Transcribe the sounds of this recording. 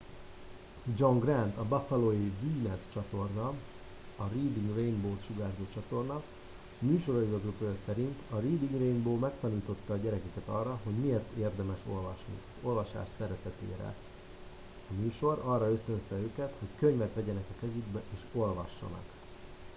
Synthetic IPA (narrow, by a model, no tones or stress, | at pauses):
d͡ʒoŋɡrɛnt̪ɒbɒfɛloːjiviːnɛt̪t͡ʃɒt̪o̞rnɒ | ɒriːd̪iŋɡrejnboːt̪ʃuɡaːrzoːt͡ʃɒt̪o̞rnɒ | myːʃo̞ɾɒiɡɒzot̪oːjɒsɛɾint̪ɒɾiːd̪iŋɡrejnboːmɛkt̪ɒniːt̪o̞t̪ːɒːɟɛɾɛkɛkɛt̪ɒrːɒɦo̞ɟmieːrt̪eːrd̪ɛmɛʃo̞lvɒʃnḭɒzo̞lvɒʃa̰ːʃsɛɾɛt̪ɛt̪ḛːɾɛ̰ | ɒmyːʃo̞ɾɒrːɒø̞st̪ønst̪ɛøːkɛt̪ho̞ckøɲvɛt̪ʋɛɟɛnɛkɒkɛzyɡbɛʔeːʃo̞lvɒʃːɒ̰nɒ̰k